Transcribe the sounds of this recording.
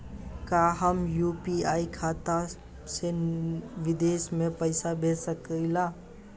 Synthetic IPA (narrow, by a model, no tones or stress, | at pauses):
kaɦəmjupiaikʰat̪a | se | ʋid̪esmepəɪsabesəkəɪla